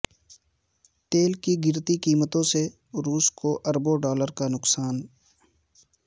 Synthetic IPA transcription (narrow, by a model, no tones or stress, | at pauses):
t̪eːlkiɡɪɾt̪ikiːmət̪õse | ɾuːskoʔəɾboɖaːləɾkanʊksaːn